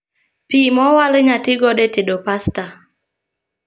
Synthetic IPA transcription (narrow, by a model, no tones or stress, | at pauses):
pimɔwalɪɲatɪɡɔɗetiɗopasta